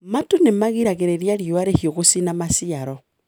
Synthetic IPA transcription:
matonemaɣiɾaɣeɾeɾjaɾioaɾehiɔɣosinamasiaɾɔ

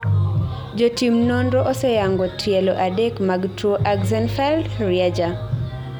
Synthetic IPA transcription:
d͡ʒotimnɔndɔʔosɛjaŋɡɔtʰjɛlɔʔadɛkmaɡtoʔaɡzɛnfɛldɾɪad͡ʒa

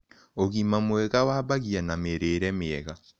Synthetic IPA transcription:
oɣimamwɛɣawaːβaɣianameɾeɾɛmeɛɣa

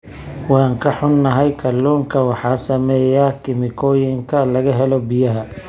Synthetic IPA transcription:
wɑːŋkʰɐħʊnːɐɦɛjkʰɐlɔːŋkʰɐwɑħɑːsɐmɛːjakʰɪmɪkʰɔːjɪŋkʰɐlɐɣɐɦɛlɔbɪjɐɦɐ

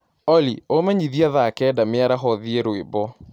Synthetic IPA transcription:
ɔliomɛɲiðiaðakɛːdameaɾaɦɔðieɾwebɔ

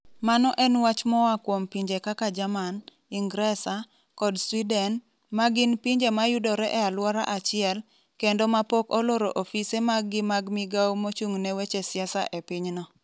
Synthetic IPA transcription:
manɔʔɛnwat͡ʃmɔwakwompiɲd͡ʒekakad͡ʒaman | iŋɡɾɛsa | kɔdswidɛn | maɡɪnpiɲd͡ʒemajudɔɾɛʔɛalwɔɾa̰ʔat͡ʃɪɛl | kendɔmapokɔloɾoʔofisemaɡɪmaɡmiɡawmot͡ʃuŋnɛwet͡ʃesɪasa̰ʔepɪɲnɔ

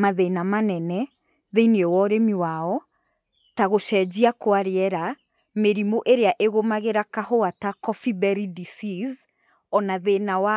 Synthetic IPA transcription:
maðenamanɛnɛ | ðeiniɛwɔɾemiwaɔ | taɣoʃɛd͡ʒiakwaɾeɛɾa | meɾimoʔeɾeaʔeɣomaɣeɾakaɦoatakɔfibɛɾidisiz | ɔnaðenawa

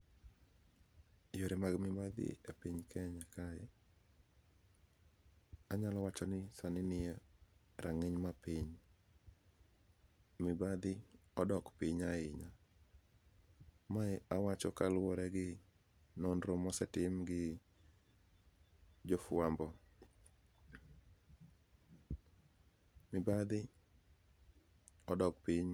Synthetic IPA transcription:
joɾemaɡmɪbad̪ɪ̰epiɲkʰɛɲakaɛ | aɲalɔwat͡ʃɔnɪsanɪnɪa | ɾʔaŋeɲmapiɲ | mɪbad̪ɪɔdɔkpiɲaɪɲa | maawat͡ʃɔkalʊwɔɾɛɡɪ | nondɾomɔsɛtɪmɡɪ | d͡ʒɔfʊambɔ | mɪbad̪ɪ | ɔdɔkpɪɲ

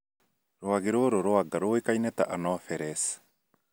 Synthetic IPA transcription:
ɾoaɡiɾoɾoɾoaɡaɾoːikajnet̪a̰ʔanɔfɛɾes

